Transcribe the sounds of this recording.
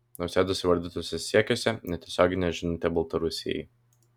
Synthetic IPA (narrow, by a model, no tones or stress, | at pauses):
nosʲɛd̪ʊsʲɪʋɐɾʲd̪ʲit̪oːsʲɛsʲiɛkʲosʲɛnʲɛt̪ʲɛsʲoːɡʲɪnʲɛʒʲɪnʲɪnt̪ʲɛbɐlˠt̪ɐɾʊsʲɪ̰jɛ̰ɪ